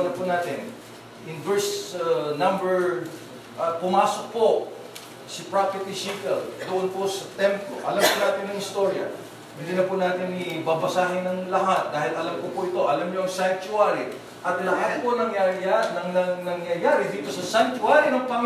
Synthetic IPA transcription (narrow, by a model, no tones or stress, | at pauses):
nɐpʊnaːt̪ɪn | ʔɪnvɛɹsnambɛɹ | ʔɐpʊmaːsok̚po | sɪpɹapɛɹt̪ɪsik̪ɛld̪ʊʔonposɐt̪ɛmplo̰ʔɐ̰lamkʊnaːt̪ɪnːɐŋɪst̪oɾjɐ̰ | bɪlɪnɐpʊnaːt̪ɪnɪbɐbɐsaːɦɪnɐŋlɐɦat̪̚d̪aːɦɪlɐlamkʊpʊʔɪt̪o̞ʔɐlamɲoʔɐŋsant͡ʃʊaɾi | ʔɐt̪lɐɦat̪̚poɐnɐŋjaanɐŋnɐnɐŋjɐjaːɾɪd̪iːt̪o̞sɐsant͡ʃʊaɾinɐŋpɐŋ